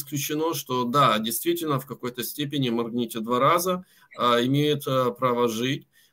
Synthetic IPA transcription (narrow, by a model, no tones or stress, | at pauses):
sklʲʉt͡ɕɪno̞ʂt̪o̞d̪adʲɪjst̪vʲitʲɪlʲnəfkɐko̞jt̪əsʲtʲepʲɪnʲɪmɐrɡnʲetʲɪd̪vaɾazə | əɪmʲejɪt̪əpɾavəʐɨtʲ